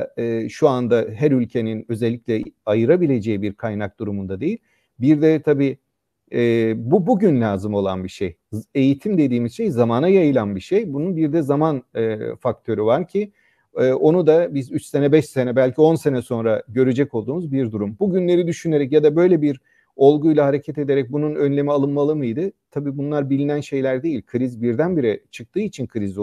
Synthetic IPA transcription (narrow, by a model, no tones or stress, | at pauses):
ɯːʃuand̪aɦæɾylʲcʰe̞ninø̞zɛlʲːiclʲɛajɯɾabilʲe̞d͡ʒe̞jibiɾkʰajnak̚d̪̥uɾumund̪ad̪e̞jilʲ | biɾd̪ɛt̪ʰabiː | ɛːbubuɟynlʲaːzɯmo̞lˠa̰nbiʃej | e̞jit̪ʰimd̪e̞d̪iːmiz̥ʃe̞jzamaːnajajɯlˠanbiʃejbununbiɾd̪ɛzamanɯːfak̚t̪ʰø̞ɾyvaɾcʰi | ɯːʔo̞nud̪abizyt͡ʃse̞nɛbɛʃse̞nɛbælʲcʰio̞nse̞nɛso̞nɾaɟø̞ɾed͡ʒɛcolˠd̪uːmuzbiɾd̪uɾumbuɟynlʲe̞ɾid̪yʃyne̞ɾɛc̬jad̪abø̞jlʲebiɾ | o̞lˠɡujlˠahaɾe̞cʰɛt̪e̞d̪eɾɛc̚bununø̞nlʲe̞mialˠɯnmalˠɯmɯjd̪ɯt̪ʰabiːbunlˠaɾbilʲinænʃe̞jlʲæɾd̪e̞jilʲkʰɯɾizbiɾd̪ænbiɾɛt͡ʃʰɯk̚t̪ʰɯːit͡ʃʰinkʰɯɾiz